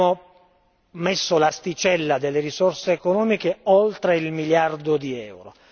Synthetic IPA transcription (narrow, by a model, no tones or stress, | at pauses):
o | mesːolast̪it͡ʃɛlːad̪elːeɾisorseːkonɔːmikeolt̪ɾeilmiljard̪od̪iɛwɾo̰